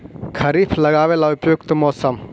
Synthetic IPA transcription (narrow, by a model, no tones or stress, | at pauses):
kʰɐɾiːpʰlɐɡaːʋelaʊpjokt̪mɔːsəm